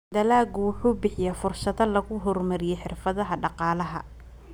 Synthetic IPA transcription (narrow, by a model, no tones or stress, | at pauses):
d̪ɐlaːɡʊwʊħuːbɪħɪjaːfʊrsɐðɐlɐɣʊɦɔrmɐɾɪjɛħɪrfɐðɐɦɐɖɑqɑːlɐɦɐ̰